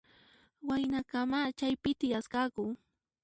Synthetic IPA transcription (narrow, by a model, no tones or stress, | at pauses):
wajnakamat͡ʃajpɪt̪ɪjaskakʊ